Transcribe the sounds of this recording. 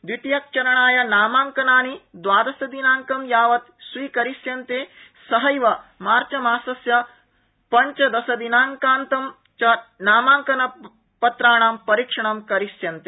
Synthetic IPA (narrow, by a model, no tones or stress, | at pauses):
d̪it̪jɐk̚t͡ʃɐɾɐɳaːjɐnaːmaːŋkɐnaːnid̪ʋaːd̪ɐsɐd̪inaːŋkɐmjaːʋɐt̪sʋiːkɐɾisjɐnt̪eːsɐɦɐjʋɐmaːɾt͡ʃɐmaːsɐsjɐ | pɐɲt͡ʃɐd̪ɐsɐd̪inaːŋkaːnt̪ɐm | t͡ʃɐnaːmaːŋkɐnɐ | pɐt̪ɾaːɳaːmpɐɾikʂɐɳ̃ɐmkɐɾisjɐnt̪eː